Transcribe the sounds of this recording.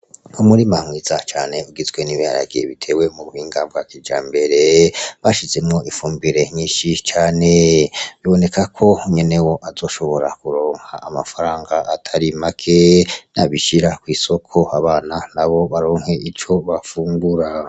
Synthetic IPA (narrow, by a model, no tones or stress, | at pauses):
umuɾimamwizat͡ʃaːne̞uɡizɡwe̞niβiha̰ɾa̰ɡijḛβitʰe̞we̞muɾuhiːŋɡaːmbɡakid͡ʒaːmbe̞ɾe̞βaʃize̞mŋo̞ʔifuːmbiɾe̞ɲiːnʃit͡ʃaːneβiβo̞ne̞kʰakʰo̞ɲe̞ne̞wo̞ʔazo̞ːʃo̞βo̞ɾakuɾo̞ːŋha̰ːmafaɾaːŋɡaʔːtʰaɾimakʰenaβiʃiɾakwiːso̞kʰo̞aβaːnanaβo̞βaɾo̞ːŋhe̞ʔit͡ʃo̞βafuːŋɡuɾa